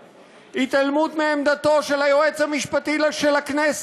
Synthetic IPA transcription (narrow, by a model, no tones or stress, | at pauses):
it̪almut̪meːmd̪at̪o̞ʃe̞lajoe̞t͡shamiʃpat̪iʃelaknes